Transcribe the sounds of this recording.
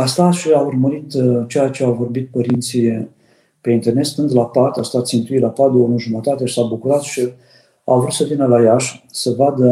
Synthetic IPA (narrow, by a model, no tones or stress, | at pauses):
ast̪at̪ʃiaurməɾit̪t͡ʃe̞jat͡ʃeavo̞rbit̪̚pəɾint̪si | pe̞int̪erne̞t̪st̪ɨnd̪lapat̪ast̪at̪sint̪ujlapat̪̚d̪eouʒumət̪at̪e̞ʃisabukuɾat̪ʃi | avɾut̪səvinəlajaʃsəvad̪ə